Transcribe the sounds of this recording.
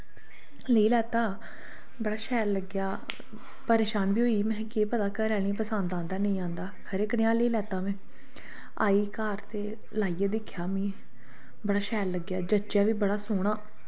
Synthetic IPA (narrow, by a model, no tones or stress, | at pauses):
ləiːlɛːt̪aː | bəɽaːʃɛːlləɡjaː | pəɾeːʃaːnbiːɦoːiːmɛ̃ːkeːpəd̪aːkəɾɛːl̃ĩːpəsãːnd̪ãːnd̪aːnəĩːãːnd̪aːkʰəɾeːkəɽeaːləiːlɛːt̪aːʋɛ̃ː | a̰ːiːkaːɾt̪eː | laːiːeːd̪ɪkʰːjaːmĩː | bəɽaːʃɛːlləɡjaːd͡ʒət͡ʃjaːʋiːbəɽaːsoːɽ̃aː